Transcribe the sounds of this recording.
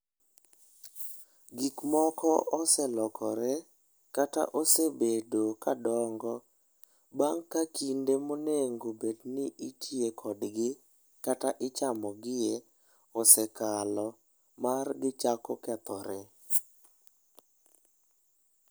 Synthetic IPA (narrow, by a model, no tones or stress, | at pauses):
ɡikmɔkɔʔɔsɛlɔkʰɔɾɛ | kata̰ʔosebedokadɔŋɡɔ | baŋkːakindemoneŋɡobednɪʔitʰiekʰɔdɡɪ | kataʔɪt͡ʃamɔɡɪje | ɔsɛkalɔ | marɡɪt͡ʃakɔkɛt̪ɔɾɛ